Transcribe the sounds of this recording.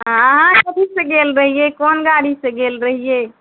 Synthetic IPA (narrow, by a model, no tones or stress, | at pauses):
ɦɦãɦãkəbisə̃ɡelɾəɦijekonɡaɽisə̃ɡelɾəɦie